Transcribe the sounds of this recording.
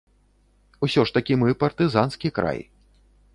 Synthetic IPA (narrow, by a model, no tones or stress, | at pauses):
usʲɔʂt̪ɐkʲimɨpɐrt̪ɨzanskʲikɾa̰j